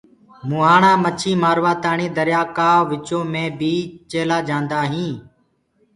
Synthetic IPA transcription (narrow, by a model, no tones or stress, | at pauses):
muːɦaːɳãːmət͡ʃʰiːmaːɾʋaːt̪aːɳiːd̪əɾjaːkaːʋɪt͡ʃõːmẽːbʱiːt͡ʃeːlaːd͡ʒãːnd̪aːɦĩː